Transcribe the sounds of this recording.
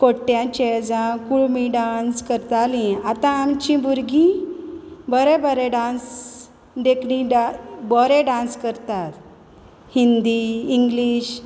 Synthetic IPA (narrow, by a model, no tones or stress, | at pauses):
koʈːjãt͡ɕed͡zãkuɭmiɖanskəɾt̪alĩat̪ãːmt͡ɕĩbuɾɡʱĩ | bəɾɛbəɾɛɖãns | d̪ekʰɽĩɖabɔɾɛɖãnskəɾt̪at̪ | hind̪iːŋɡliːɕ